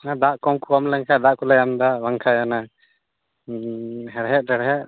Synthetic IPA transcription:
ad̪aʔkɔmkukɔmlɛŋkʰad̪aʔkulajamd̪aβaŋkʰajana | ɦɛɾɦɛʔ̚ɾɛɾɦɛʔ

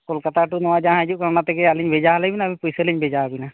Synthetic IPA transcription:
kolkət̪ʰaʈunɔad͡ʒãd͡ʒukəɾnat̪ɛkealiɲbʱed͡ʒaɦləbinabʱĩpujseliɲbʱed͡ʒaːbina

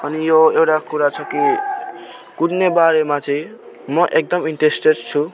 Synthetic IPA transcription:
ʌnijoewʈakuɾat͡sʰʌki | kudnebaɾemat͡sʰʌĩ | mʌʔek̚d̪ʌmiɳʈresʈeɖt͡sʰu

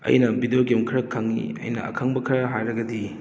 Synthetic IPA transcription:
ɐ̰jnɐbidejoɡemkʰɐɾɐkʰːaŋːḭɐ̰jnɐ̰ɐ̰kʰaŋbɐkʰɐɾɐɦajɾɐɡɐdi

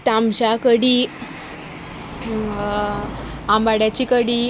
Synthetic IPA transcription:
t̪amɕakəɽiː | ambaɽjat͡ɕikəɽiː

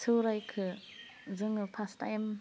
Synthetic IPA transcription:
sʰɯwɾajkʰɯ | zɯŋɯpʰasta̰ɛm

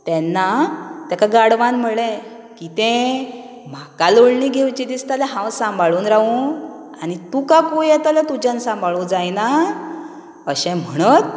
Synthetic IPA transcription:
t̪ɛnːat̪jakaɡaɽʋanm̤əɭɛ̃ | kit̪ɛ̃ | m̤akaloɭniɡʱewt͡ɕid̪ist̪alɛɦãwsãmbʱaɭuːnɾaʋũ | anit̪ukakujɛt̪alat̪ud͡ʑãnsãmbʱaɭuːd͡zajna | əɕɛ̃m̤əɽ̃ət̪̚

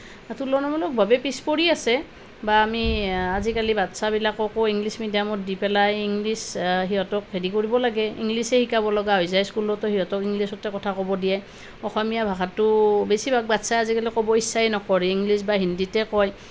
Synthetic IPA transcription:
atulɔnɔmɔlɔk̚bʱabɛpispoɹiasɛ | baːmiazikalibatsabilakɔkɔiŋlismidijamɔt̚dipɛlajiŋlisɦiɦɔtɔk̚ɦedikoɹibɔlaɡɛḭŋlisɛhikabɔlɔɡaɦɔjzajskulɔtɔhiɦɔtɔkiŋlisɔtɛkɔtʰakɔbɔdijaj | ɔxɔmijabʱakatːʊbesibʱak̚batsajazikalikɔbɔisːaɛnɔkɔɹɛiŋlisbaɦinditɛkɔj

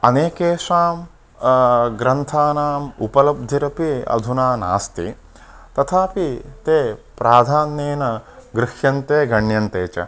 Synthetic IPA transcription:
ɐneːkeːʂaːm | ɡɾɐnt̪ʰaːnaːmupɐlɐb̚d̪ʱiɾɐpiɐ̰d̪ʱunaːna̰ːst̪ḭ | t̪ɐt̪ʰaːpit̪eːpɾaːd̪ʱaːnːeːnɐɡɾɪʃjɐnt̪eːɡɐɳjɐnt̪eːt͡ʃɐ̰

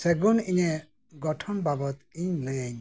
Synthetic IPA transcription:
sɛɡuniɲɛ | ɡɔʈʰɔnbabɔt̪iɲləaɲ

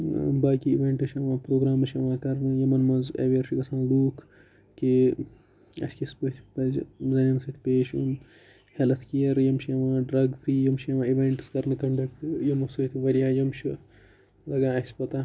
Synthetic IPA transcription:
baːkiiʋeːɳʈɨʃɐʋãːpɾoːɡɾaːmɐʃʰɐʋãːkɐɾnɨjɐmɐnmɐzɐ̰ʋiɐɾʃʰikɐsãːnluːkʰ | ki | ɐ̰skisput̪ʰʲpɐzzɐnʲɐnsɐt̪ʰʲpeːʃun | hɐlɐt̪ʰkijɐɾjɐmʃjɐʋãːɖɾɐɡfɾiːjɐmʃʰjɐʋãːiʋẽːɳʈɨ̥skɐɾnɨkɐɳɖɐk̚ʈjɐmɐsut̪ʰiʋɐɾijaːjɐmt͡ʃʰi | lɐɡãːɐsʲpɐt̪aː

